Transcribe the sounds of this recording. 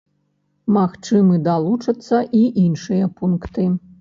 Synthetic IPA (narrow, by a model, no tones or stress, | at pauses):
maxt͡ʂɨmɨd̪alˠut͡ʂɐt̪sːɐʔiʔinʂɨjɐpunkt̪ɨ